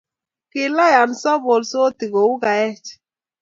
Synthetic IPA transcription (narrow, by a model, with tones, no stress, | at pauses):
ki˨la˦ja˨n̩˨sɔ˦bo˨lso˦ti˨ɣo˨wu˦ɡa˨jɛ˦t͡ʃ